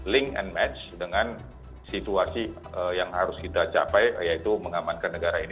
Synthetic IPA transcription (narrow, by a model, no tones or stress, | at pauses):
lɪŋɛ̰nmɛt͡ʃdəŋan | sit̪uasi | əjaŋɦaɾʊskit̪at͡ʃa̰pajjait̪uməŋamankanːəɡaɾain